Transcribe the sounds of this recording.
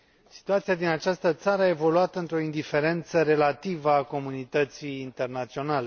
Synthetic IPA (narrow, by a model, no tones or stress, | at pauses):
si̥t̪uat̪sijad̪inat͡ʃast̪ət̪saɾəaevo̞luat̪əɨnt̪ɾo̞ind̪ife̞ɾe̞nt̪səɾe̞lat̪ivəako̞munit̪ət̪siːnt̪e̞rnat̪sio̞nale